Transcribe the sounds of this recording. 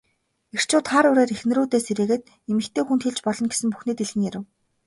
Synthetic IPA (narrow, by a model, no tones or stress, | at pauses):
er̥t͡ɕʰʊːt̪χaɾʊɾeːɾixnɘ̆ɾuːt̪eːseɾeːɣɘ̆ːt̪̚ | emɘ̆xt̪ʰeːxunt̪xeɮt͡ɕpɔɮɞ̆nɡesɘ̆mpu̥xneːt̪eɮxɘ̆ŋjæɾɘ̆w